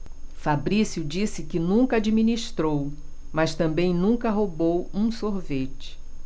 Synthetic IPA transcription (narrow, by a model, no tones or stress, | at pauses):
fabɾisjʊd͡ʒisɪkɪnũkɐad͡ʒiminiʃt̪ɾow | mɐst̪ɐ̃mbẽj̃nũkɐɦobowũsoɾvet͡ʃɪ̥